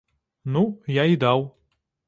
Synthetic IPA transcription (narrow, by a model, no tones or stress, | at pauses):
nujaid̪aw